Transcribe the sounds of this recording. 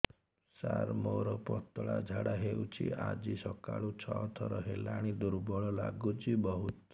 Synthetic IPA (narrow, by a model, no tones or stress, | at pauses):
saɾmoɾɔpɔt̪ɔɭad͡ʒʱaɽaɦewt͡ʃʰḭad͡ʒisɔkaɭut͡ʃʰɔɔt̪ʰɔɾɔɦelaɽ̃id̪uɾbɔɭɔlaɡut͡ʃʰibɔɦut̪